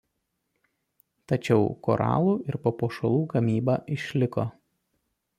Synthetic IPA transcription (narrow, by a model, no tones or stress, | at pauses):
t̪ɐt͡ʃʲɛʊkɔːɾɑ̰ːlˠuːɪɾpoːpoːʃɐlˠuːɡɐmʲiːbɑːʔɪʃʲlʲɪko